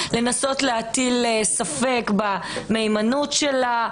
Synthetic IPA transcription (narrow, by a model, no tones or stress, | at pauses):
le̞naso̞tleat̪ilesafekbame̞jmanutʃela